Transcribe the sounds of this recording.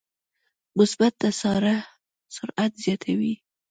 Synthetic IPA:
mʊsbat̪̚d̪asɑɾa | sʊɾat̪zjɑt̪ʰawi

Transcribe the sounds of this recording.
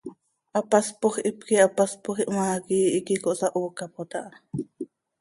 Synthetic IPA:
ʔapaspoχʔipkiʔapaspoχiʔmaːkiːʔikikoʔsaʔuːkapot̪ɑʔɑ

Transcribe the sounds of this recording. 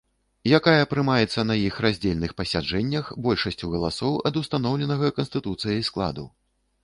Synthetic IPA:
jakajɐːpɾɨmajɛt̪sːɐnɐjixrazʲd͡zʲelʲnɨxpɐsʲad͡ʐɛnʲːɐxbɔlʲʂɐsʲt͡sʲuɣɐlˠasɔwɐd̪ust̪an̪ɔwlʲɛnɐɣɐkɐnst̪ɨt̪ut̪sɨjɐjsklˠa̰d̪ṵ

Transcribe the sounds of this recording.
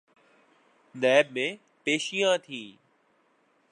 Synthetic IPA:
nɛːbmẽ | peːʃijãːt̪ʰĩː

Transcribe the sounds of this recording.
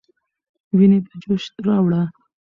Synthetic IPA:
wined̪əd͡ʒoʃt̪ɾɑwɽa

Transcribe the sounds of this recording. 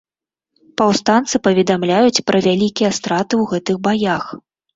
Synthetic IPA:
pawst̪ant̪sɨpɐvʲɛd̪amlʲajut͡sʲpɾʔɐvʲalʲikʲijɛst̪ɾat̪ɨwɣɛt̪ɨɣbajax

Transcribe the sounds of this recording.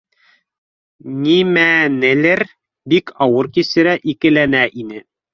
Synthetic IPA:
nimænɘ̆lɘɾ | bikɑwɤɾkisɘ̆ɾæʔikɘ̆lænæʔinɘ

